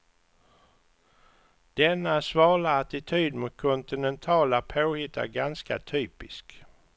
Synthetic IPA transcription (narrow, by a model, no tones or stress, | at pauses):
d̪̥ɛnːasvɑːɭaːt̪ɪt̪ʰyːd̪mʊt̪̚kʰɔnt̪ɪnɛnt̪ʰɑːlapʰoːhɪt̪ʰːa̰ɾɡanska̰t̪ʰyːpɪsk